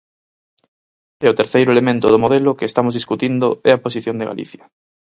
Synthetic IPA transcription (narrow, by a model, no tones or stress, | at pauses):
ɛʊt̪eɾθejɾʊelemẽnt̪ʊðomoðelʊkeːst̪amozðiskut̪ind̪ʊɛɐposiθjond̪eɣa̰lḭθjɐ